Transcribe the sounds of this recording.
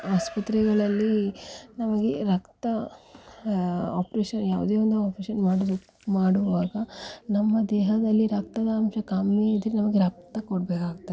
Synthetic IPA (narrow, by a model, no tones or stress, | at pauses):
aːspɐt̪ɾɛɡɐɭɐlːinɐmɐɡeɾɐkt̪ɐ | a̰ːpɾeːʂɐnjaːʋud̪eːʋond̪uaːpɾeʃɐnmaːɽid̪u | maːɽuʋaːɡɐnɐmːɐd̪ɛːɦɐd̪ɐlːiɾɐk̚t̪ɐd̪ɐɐmʃɐkaːmiid̪ɾenɐmɐɡeɾɐk̚t̪ɐkoɽbeːkaːɡ̚t̪ːɐ